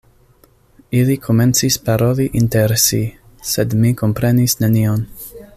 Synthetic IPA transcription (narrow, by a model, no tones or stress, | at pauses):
ilikʰomensispaɾo̞liʔint̪eɾesi | sed̪mikompɾenisnenion